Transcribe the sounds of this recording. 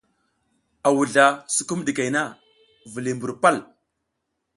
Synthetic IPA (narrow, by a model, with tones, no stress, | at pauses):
a˨wu˨ɮa˨su̥˦ku˦mdi˨ka˨jna˦˨ | vi˨li˨mbu˨ɾpa˦l